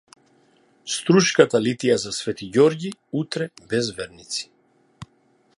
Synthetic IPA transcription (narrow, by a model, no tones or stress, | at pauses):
st̪ɾuʃkat̪alit̪ijazasvɛt̪iɟɔɾɟiut̪ɾɛbɛzvɛɾnit̪si̥